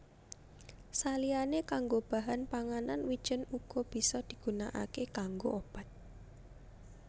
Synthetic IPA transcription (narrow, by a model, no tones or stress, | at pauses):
salianekaŋɡob̥a̤ɦanpaŋananwid̥ʒ̥ə̤nuɡ̥ɔb̥i̤sɔd̪̥i̤ɡ̥unaʔa̰kekaŋɡoʔob̥at̪̚